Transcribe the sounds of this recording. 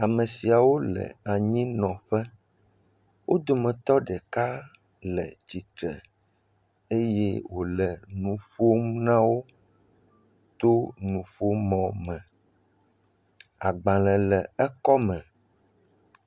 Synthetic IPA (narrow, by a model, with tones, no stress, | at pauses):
a˨mɛ̃˨si˨a˨wo˦lɛ̰˨a˨ɲĩ˦nɔ̃˨ɸɛ˦ | wʔo˦d̪o˨mɛ̃˨t̪ɔ˦ɖɛ˨ka˦ | lɛ˨t͡ɕi˨t̪ɾɛ̰˨ | e˦je˦wo˨lɛ˨nũ˨ɸo˦m˦nã˦wo˦ | t̪o˦nũ˨ɸo˦mɔ̃˨mɛ̃˨ | a˨ɡ͡bã˨lɛ̃˨lɛ˨ɛ˦kɔ˦mɛ̃˨